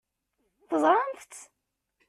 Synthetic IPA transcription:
θəzˤɾˤɑnθt̪

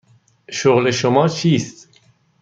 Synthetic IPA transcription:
ʃoɣleʃomɒːt͡ʃʰiːst̪

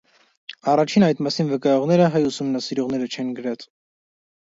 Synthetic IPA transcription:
ɑrɑt͡ʃʰinɑjt̪mɑsinvəkɑjɔʁnɛɾəɦɑjusumnɑsiɾɔʁn̪ɛɾət͡ʃʰɛnɡəɾɛt͡sʰ

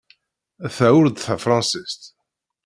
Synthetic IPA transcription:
æθæwʊɾd̪θæfɾˤɑ̃nsist̪

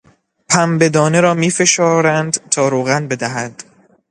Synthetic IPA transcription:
pʰæmbe̞d̪ɒːne̞ɾɒːmiːfe̞ʃɒːɾænd̪t̪ʰɒːɾoːɣænbe̞d̪æɦæd̪̥

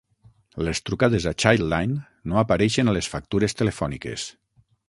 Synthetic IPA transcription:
lest̪ɾukaðezat͡ʃajajnː | oapaɾɛʃenalesfak̚t̪uɾest̪elefɔnikḛs

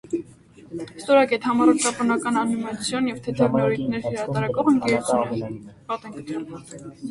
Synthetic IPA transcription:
st̪ɔɾɑkɛt̪ʰhɑmɑɾɔɾt͡ʃɑpɔnɑkɑnɑnimɑt͡sʰjɔnjɛvt̪ʰɛt̪ʰɑɡnɔɾit̪nɛɾhəɾɑt̪ɑɾɑkɔvəŋkɛɾut͡sʰumɛpɑt̪ɛŋkət̪ʰjun

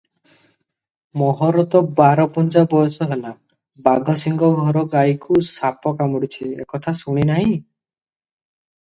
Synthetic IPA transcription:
mɔɦɔɾɔt̪ɔbaɾɔpunt͡ʃabɔjɔsɔɦela | baɡʱɔsiŋɡɔɡʱɔɾɔɡajkusapɔkamɔɽit͡ʃʰiḛkɔt̪ʰasuɽ̃inaɦĩ

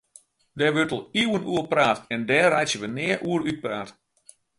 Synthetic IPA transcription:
dɛʋøtəlˠiwənuːəlpraːtɛndɛːrajsjəʋənɪəʔuəryt̚praːt

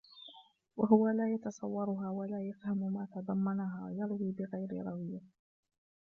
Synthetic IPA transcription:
waɦʊwalaːjɑt̪ɑsˤɑwːɑɾˤʊɦaːwalaːjafhamʊmaːt̪ɑd̪ˤɑmːɑnaɦaːwjɑɾˤwiːbɪɣajɾɪ̰ɾˤɑwɪjːa

